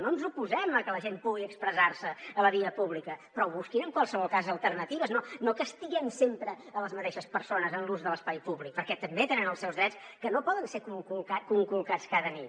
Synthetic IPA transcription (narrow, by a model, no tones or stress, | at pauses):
noənzupuzɛməkələʒempuɣiəkspɾəzarsəːləβiəpuβlikəpɾɔβuskinəŋkwalˠsəβɔlˠkazəlˠt̪ərnət̪iβəznonokəst̪iɣɛmsempɾəələzmət̪eʃəspəɾsonəzənluzðələspajpuβlik̚pəɾkɛt̪əmbet̪ənɛməlˠsɛwzðɾɛts | kənopɔðənsekuŋkulkakuŋkulkat͡skaðənḭt̪